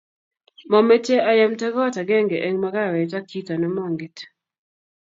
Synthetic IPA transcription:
mɔ˨mɛ˦t͡ʃe˦ʔa˦ja˦mtɛ˦ɡɔ˦ta˨ɡɛ˦ŋɡe˨ʔe˦ŋma˦ɡa˦˨ɾɛ˨ta˦ki˦ta˨nɔ˦mɔ˦ŋɡɪ˨t

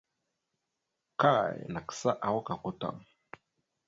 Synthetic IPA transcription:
ka̰˦˨na˨ki̥˨sa˦ʔa˨wɔ˦ka˨ko˦t̪a̰˨ŋ

